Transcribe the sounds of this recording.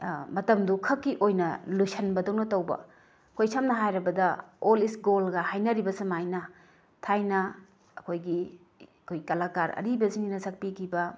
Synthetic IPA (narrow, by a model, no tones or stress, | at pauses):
mɐtɐmdukʰɐkːiʔojnɐlujsɐnbɐdownɐtɐwbɐ̰ | kʰojsamnɐɦajɾɐbɐdɐolisɡolɡɐhajnɐɾibɐsemajnɐ | tʰajnɐ | ɐkʰojɡi | kʰojkɐlakaɾɐ̰ɾibɐziŋinɐsɐk̚pikʰibɐ